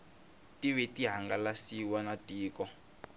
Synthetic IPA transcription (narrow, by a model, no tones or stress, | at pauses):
tiβɛtiɦaŋɡalasiwanatiːkɔ